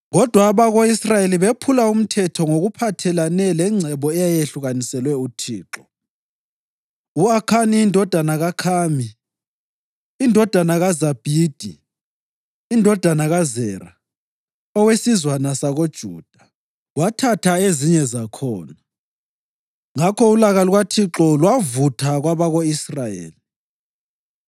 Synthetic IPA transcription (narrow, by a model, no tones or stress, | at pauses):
ɣɔd̥ʱwaːβaɣoisrajeliβepʰulaum̩tʰɛtʰɔŋoɣupʰatʰɛlanɛlɛŋ͡ǀʱɛβɔɛjajeɬuɣanisɛlwɛutʰḭːǁɔ | uakʰaniːndʱɔd̥ʱanaɣakʰaːmi | ndʱɔd̥ʱanaɣazab̥ʱiːd̥ʱi | indʱɔd̥ʱanaɣazɛːɾa | ɔwesizwanasaɣod̥ʒ̥ʱṵːd̥ʱa | watʰatʰaeziɲɛzakʰɔːna | ŋakʰɔulaɣaluɣwatʰiǁɔlwavutʰaɣwaβaɣoisrajḛːli